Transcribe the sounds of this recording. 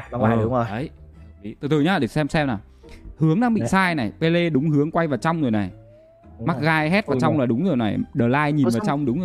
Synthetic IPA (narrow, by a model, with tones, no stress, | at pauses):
ŋ͡mo˨˩ə˨˦ji˨˦t̪ɨ˨˩t̪ʰɨ˨˩ɲaː˨˦ɗe˧˩sɛ˧msɛ˧mna˨˩j | hɨ˨˦əŋɗaː˧ŋɓḭ˧˨saː˧jna˨˩jpe˧le˧ɗʊ˨˦ŋ͡mhɨ˨˦əŋkwa˧jvaː˨˩wt͡ɕa˧wŋ͡mzo˨˩jna˨˩j | ma˦˥k̚ɣaː˧jɦɛ˦˥t̚vaː˨˩wt͡ɕa˧wŋ͡mlaː˨˩ɗʊ˨˦ŋ͡mzo˨˩jna̰˨˩jɗəː˨˩laː˧jɲi˨˩nvaː˨˩t͡ɕa˧wŋ͡mɗʊ˨˦ŋ͡mzo˨˩˨